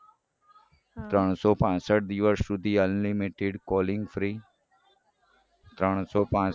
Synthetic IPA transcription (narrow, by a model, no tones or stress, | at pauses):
t̪ɾəɳ̃sɔːpãːsəʈ̚d̪iːʋəɾssud̪ʱiːənlimiʈeɖkɔːlɪŋɡfʰɾiː | t̪ɾəɽ̃sɔːpãː